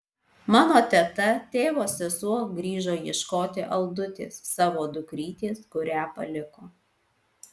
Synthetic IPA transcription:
mɑːnoːt̪ʲɛt̪ɐt̪ʲeːʋoːsʲɛsuɔɡɾʲiːʒoːjɛʃkoːt̪ʲɪʔɐlˠd̪ʊt̪ʲḛːsːɑːʋoːd̪ʊkɾʲiːt̪ʲeːskʊɾʲæːpɐ̰lʲɪkoː

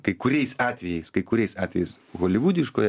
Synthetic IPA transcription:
kɐɪkʊɾʲɛɪsɑːt̪ʲʋʲɛjɛɪskɐɪkʊɾʲɛɪjsɑːt̪ʲʋʲɛjɛɪsɣoːlʲɪʋuːd̪ʲɪʃkoːjɛ

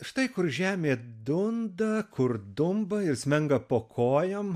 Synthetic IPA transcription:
ʃt̪ɐɪkʊrʒʲæːmʲeːd̪ʊnd̪ɐkʰʊɾd̪ʊmbɐɪrsʲmʲɛŋɡɐpoːkʰoːjom

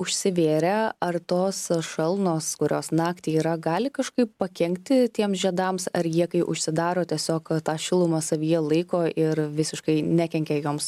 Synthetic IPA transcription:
ʊʃʲsʲɪʋʲeːɾʲɛɐrt̪oːsʃɐlˠnoːskʊɾʲoːsnɑːkt̪ʲiːiːɾɐɡɑːlʲɪkɐʃkɐɪpːpɐkʲɛŋʲkt̪ʲɪt̪ʲiɛmsʒʲɛd̪ɑːmsɐɾjiɛkɐɪʔʊ̰ʃʲsʲɪd̪ɑːɾoːt̪ʲiɛsʲoːkt̪ɑːʃʲɪlˠʊmɐsɐʋʲijɛlˠɐɪkoːʔɪɾʋʲɪsʲɪʃkɐɪnʲækʲɛŋʲkʲɛjoːms

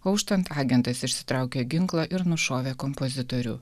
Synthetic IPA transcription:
ɐʊʃt̪ɐnt̪ɑːɡʲɛnt̪ɐsɪʃʲsʲɪ̥t̪ɾɑˑʊkʲeɡʲɪŋklˠɐʔɪɾnʊʃoːʋʲeːkɔmpɔzʲɪt̪ɔɾʲʊ̰

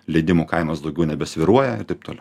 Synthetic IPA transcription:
lʲɛɪd̪ʲɪmuːkɐɪmɐsd̪ɒʊɡʲɛʊnʲɛbʲɛsʲʋʲɪɾuɔjɛɪrt̪ɐɪp̚t̪oːlʲɛʊ

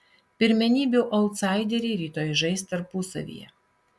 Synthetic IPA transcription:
pʲɪɾʲmʲɛnʲiːbʲuːʔɔlˠt̪sɑˑɪd̪ʲɛɾʲeɾʲiːt̪oːjʒɐɪst̪ɐɾpusɐ̰ʋʲḭːjɛ̰

